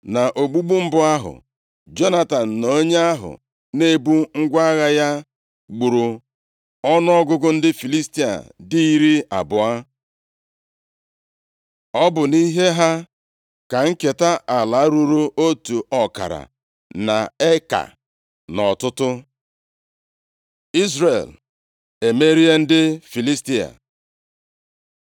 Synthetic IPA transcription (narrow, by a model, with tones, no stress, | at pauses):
na˨ʔo˨ɡ͡bu˦ɡ͡bu˦m̩˦bʊ˦a˦ɦʊ̰˨ | d͡ʒɔ˦na˦ta˨n̩˨no˦ɲe˦a˦ɦʊ̰˨ | ne˦bu˦ŋ̩˦ɡʷa˦ɣa˦ja˦ | ɡ͡bu˨ɾu˨ | ɔ˦nʊ˦ɔ˦ɡʊ˦ɡʊ˦n̩˦dɪ˦fi˨li˦sti˦a̰˨di˦i˦ɾi˦a̰˨bʊ˨a˦ | ɔ˦bʊ˨ni˦ɦe˦ɦa˦ | ka˨ŋ̩˦ke˨ta˦ʔa˨la˨˦ɾu˦ɾu˦ʔo˦tu˨ʔɔ˨ka̰˨ɾa̰˨ | na˨e˦ka̰˨ | nɔ˨tʊ˦tʊ˦ | i˦zre˨l | e˨me˦ɾi˦e˦n̩˦dɪ˦fi˨li˦sti˦a̰˨